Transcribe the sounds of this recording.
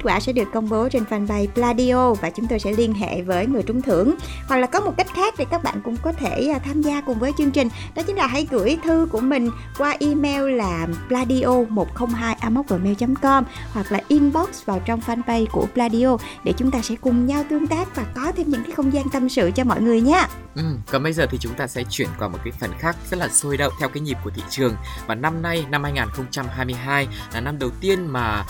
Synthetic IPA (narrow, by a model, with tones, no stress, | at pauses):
kːt̚kwaː˧˩sɛ̰˧˥ɗɨ˨˩əkːə˧wŋ͡mɓo˨˦t͡ɕe˧nfaː˧nɓa˧jplaː˧ɗi˧ʔo˧vaː˨˩t͡ɕʊ˨˦ŋ͡mt̪o˧jsɛ̰˧˥li˧ənɦḛ˧˨vəː˨˦jŋɨ˨˩əjt͡ɕʊ˨˦ŋ͡mt̪ʰɨ˧˩əŋ | hwa˨˩k̚laː˨˩kɔ˨˦mo˨˩t̚ka˦˥jk̟̚xaː˦˥k̚ɗe˨˩kaː˦˥k̚ɓa̰ː˧˨nkʊ̰˧˥ŋ͡mkɔ˨˦t̪ʰeː˧˩˨t̪ʰaː˧mzaː˧kʊ˨˩ŋ͡mvəː˨˦jt͡ɕɨ˧əŋt͡ɕï˨˩ŋ̟ | nɔ˨˦t͡ɕï˨˦ŋ̟laː˨˩ɦa̰˧˩jɣɨ˧˩əjt̪ʰɨ˧ku˧˩əmï˨˩ŋ̟ | kwaː˧ʔi˧mɛ˧wlaː˨˩plaː˧ɗi˧ʔo˧mo˨˩t̚xə˧wŋ͡mɦaː˧jʔaː˧mə˦˥k͡p̚vəː˨˩mɛ˧wt͡ɕmkɔ˧mhwa˨˩k̚laː˨˩ʔi˧nɓɔ˦˥k̚svaː˨˩wt͡ɕɔ˧wŋ͡mfaː˧npə˧jku˧˩əplaː˧ɗi˧ʔo˧ɗe˧˩t͡ɕʊ˨˦ŋ͡mt̪aː˧sɛ̰˧˥kʊ˨˩ŋ͡mɲa˧wt̪ɨ˧əŋt̪aː˦˥k̚vaː˨˩kɔ˨˦t̪ʰe˧mɲɨ̰˧˥ŋkaː˨˦jxə˧wŋ͡mzaː˧nt̪ə˧msɨ̰˧˨t͡ɕɔ˧mɔ̰˧˨jŋɨ˨˩əjɲaː˨˦ | ʔɨ˨˩mkɔ˨˩nɓə˧jzəː˨˩t̪ʰi˨˩t͡ɕʊ˨˦ŋ͡mt̪aː˧sɛ̰˧˥t͡ɕwi˧˩ənkwa˨˩mo˨˩t̚kaː˨˦jfə˨˩nxaː˦˥k̚zə˦˥t̚laː˨˩so˧jɗə̰˧˨wŋ͡mt̪ʰɛ˧wkaː˨˦ŋi˨˩p̚ku˧˩ət̪ʰḭ˧˨t͡ɕɨ˨˩əŋvaː˨˩na˧mna˧jna˧mhaː˧jŋaː˨˩nxə˧wŋ͡mt͡ɕa˧mɦaː˧jmɨ˧əjɦaː˧j | laː˨˩na˧mɗə˨˩wt̪i˧ənmaː˨˩